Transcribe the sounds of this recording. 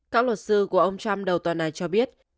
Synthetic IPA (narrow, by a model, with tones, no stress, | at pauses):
kaː˦˥k̚lwə˨˩t̚sɨ˧ku˧˩əʔə˧wŋ͡mt͡ɕa˧mɗə˨˩wt̪waː˨˩nːa˨˩jt͡ɕɔ˧ɓi˦˥ət̚